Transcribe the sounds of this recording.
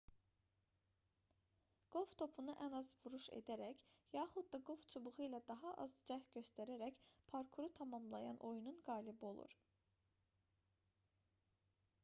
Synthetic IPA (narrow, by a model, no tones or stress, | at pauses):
ɡ̥olˠft̪ʰo̞pʰunɯʔænɑzvuɾuʃḛd̪æɾæcjɑːχud̪̚d̪ɑɡolˠft͡ʃʰubuʁɯjlˠɑd̪ɑɦɑʔɑzd͡ʒæhɟø̞st̪æɾæɾæcpʰɑɾkʰuɾut̪ʰɑmɑmlˠɑjɑnʔo̞jununɡɑːlibo̞lˠṵɾ